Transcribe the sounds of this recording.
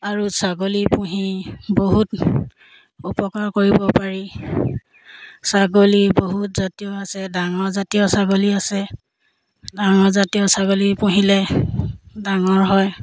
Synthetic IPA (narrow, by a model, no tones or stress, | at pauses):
aɹusaɡolipũɦiboɦut | upɔkaɹkoɹibɔpaɹi | saɡoliboɦutzatijɔasɛdaŋɔɹzatijɔsaɡoliasɛ | daŋɔɹzatijɔsaɡolipũɦilɛ | daŋɔɹɦɔj